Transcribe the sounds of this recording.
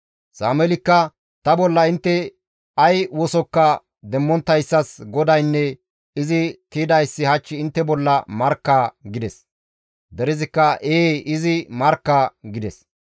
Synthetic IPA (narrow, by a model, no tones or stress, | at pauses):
saːmɛlɪkːɐ | t̪ɐbɔlːɐɪnt̪ːɛ | ɐjwɔsɔkːɐ | d̪ɛmːɔnt̪ːɐjsːɐsɡɔd̪ɐjnːɛ | ɪzɪt̪id̪ɐjsːɪhɐt͡ʃːɪɪnt̪ːɛbɔlːɐmɐɾkːaɡɪd̪ɛs | d̪ɛɾɪzɪkːɐʔeːʔɪzɪmɐɾkːaɡɪd̪ɛs